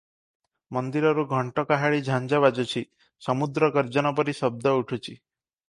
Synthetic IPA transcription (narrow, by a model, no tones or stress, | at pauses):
mɔnd̪iɾɔɾuɡʱɔɳʈɔkaɦaɭid͡ʒʱand͡ʒaβad͡ʒɔt͡ʃʰi | sɔmud̪ɾɔkɔɾd͡ʒɔnɔp̬ɔɾisɔb̚d̪ʱɔuʈʰut͡ʃʰi